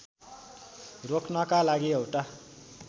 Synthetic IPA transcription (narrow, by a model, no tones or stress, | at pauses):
rokʰnʌkalaɡiʌwʈa